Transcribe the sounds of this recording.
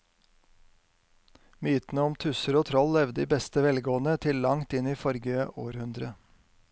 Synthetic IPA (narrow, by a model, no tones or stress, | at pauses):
myːt̪n̩əɔmt̪ʰʉsəɾoːt̪ʰɾɔlːɛʋd̪əiːbɛst̪əʋɛlɡoːnət̪ʰɪllɑŋt̪ɪniːfɔɾɡəoːɾhʉnd̪ɾə